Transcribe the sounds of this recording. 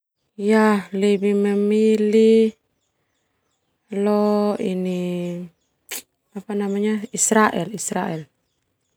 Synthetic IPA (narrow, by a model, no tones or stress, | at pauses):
jahlebiməmili | loini | apanamaɲaisɾaʔɛlisɾaʔɛl